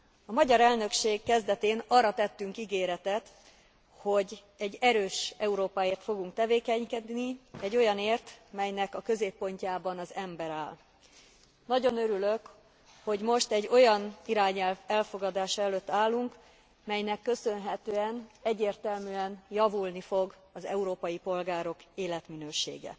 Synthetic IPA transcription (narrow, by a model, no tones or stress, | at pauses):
ɒmɒɟɒɾɛlnø̞kʃeːkːɛzd̪ɛt̪eːnɒrːɒt̪ɛt̪ːyŋkiɡeːɾɛt̪ɛt̪ | ho̞ɟ | ɛɟːɛɾøːʃɛuɾoːpaeːrt̪fo̞ɡuŋk̚t̪ɛveːkɛɲkɛd̪niɛɟːo̞jɒneːrt̪mɛjnɛkɒkø̞zeːpːo̞ɲcaːbɒnɒzɛmbɛɾaːl | nɒɟo̞nøɾylø̞k | ho̞ɟmo̞ʃt̪ɛɟːo̞jɒniɾaːɲɛlvɛlfo̞ɡɒd̪aːʃɒɛløt̪ːaːlːuŋk | mɛjnɛkːø̞sø̞nɦɛt̪øːɛnɛɟːeːrt̪ɛlmyɛnjɒvulnifo̞ɡ | ɒzɛuɾoːpɒjipo̞lɡaːɾo̞keːlɛt̪minøːʃḛːɡɛ̰